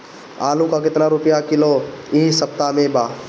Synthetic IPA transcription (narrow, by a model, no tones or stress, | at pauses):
aːlũkakɪt̪naɾʊpjakɪloisɐp̚t̪amẽbaː